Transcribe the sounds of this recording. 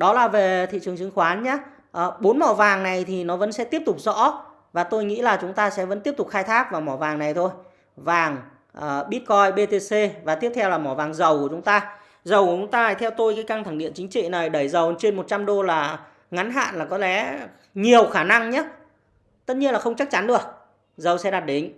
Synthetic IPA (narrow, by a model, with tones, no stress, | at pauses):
ɗɔ˨˦laː˨˩ve˨˩t̪ʰḭ˧˨t͡ɕɨ˨˩əŋt͡ɕɨ˨˩əŋxwaː˨˦nɲaː˨˦ | ʔəː˨˩ɓo˨˦nmɔ˧˩vaː˨˩ŋna˨˩jt̪ʰi˨˩nɔ˨˦və̰˧˥nsɛ̰˧˥t̪i˦˥əp̚t̪ʊ˨˩k͡p̚zɔ̰˧˥ | vaː˨˩t̪o˧jŋḭ˧˥laː˨˩t͡ɕʊ˨˦ŋ͡mt̪aː˧sɛ̰˧˥və̰˧˥nt̪i˦˥əp̚t̪ʊ˨˩k͡p̚xaː˧jt̪ʰaː˦˥k̚vaː˨˩wmɔ˧˩vaː˨˩ŋna˨˩jt̪ʰo˧j | vaː˨˩ŋ | ʔɓi˦˥t̚kɔ˧jɓe˧t̪e˧se˧vaː˨˩t̪i˦˥əp̚t̪ʰɛ˧wlaː˨˩mɔ˧˩vaː˨˩ŋzə˨˩wku˧˩ət͡ɕʊ˨˦ŋ͡mt̪aː˧ | zə˨˩wku˧˩t͡ɕʊ˨˦ŋ͡mt̪aː˧˨˩jt̪ʰɛ˧wt̪o˧jkaː˨˦jka˧ŋt̪ʰa˧˩ŋɗḭ˧˨ənt͡ɕï˨˦ŋ̟t͡ɕḭ˧˨na˨˩jɗə˧˩jzə˨˩wt͡ɕe˧nmo˨˩t̚t͡ɕa˧mɗo˧laː˨˩ | ŋa˨˦nɦa̰ː˧˨nlaː˨˩kɔ˨˦lɛ˨˧˦ | ɲi˨˩əwxaː˧˩na˧ŋɲaː˨˦˥ | t̪ə˦˥t̚ɲi˧ənlaː˨˩xə˧wŋ͡mt͡ɕa˦˥k̚t͡ɕa˨˦nɗɨ̰˧˩ək̚ | zə˨˩wsɛ̰˧˥ɗaː˨˩t̚ɗe˨˦n